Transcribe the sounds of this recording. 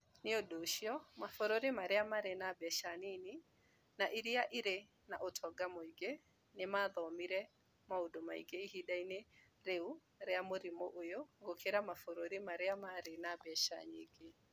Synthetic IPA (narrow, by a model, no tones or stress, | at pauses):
neodoʃiɔmafoɾoɾemaɾeamaɾenabɛʃanini | naʔiɾiaʔiɾe | naʔotʰɔɡamoiɡe | nemaðɔmiɾɛ | maodomaḭɡeihidaine | ɾeu | ɾeamoɾimoʔojoɡokʰeɾamafoɾoɾemaɾeamaɾenabɛʃa̰ɲḛɡe